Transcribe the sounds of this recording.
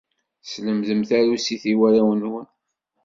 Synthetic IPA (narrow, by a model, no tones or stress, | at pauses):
sləmðəmθæɾusiθiwæɾawənwən